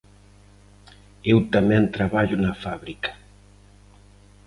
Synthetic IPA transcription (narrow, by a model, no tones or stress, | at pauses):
ewt̪amɛ̃nt̪ɾaβaʎʊnɐfaβɾikḁ